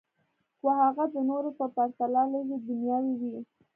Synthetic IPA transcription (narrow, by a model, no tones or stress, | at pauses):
kwahaɣad̪ənoɾopəpaɾt̪alɑləɡed̪ʊnjɑwiwi